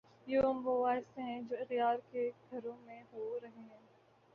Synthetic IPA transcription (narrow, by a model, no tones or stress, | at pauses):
jeɐmʋoʋaːɦɪst̪eɦɛ̃d͡ʒoːɪxt̪jaːɾkeɡʱɐɾõmẽɦoɾɐɦeɦɛ̃ː